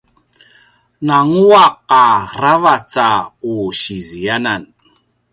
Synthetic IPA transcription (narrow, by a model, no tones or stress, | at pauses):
naŋuaqaɾavat͡sauɕizianan